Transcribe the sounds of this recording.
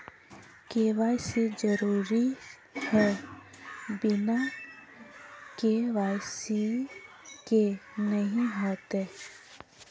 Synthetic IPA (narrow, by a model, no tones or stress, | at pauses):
keʋaːɪsid͡ʒəɾuːɾi | hɛ | bɪna | keʋaːɪsi | kenəɦĩɦoːt̪e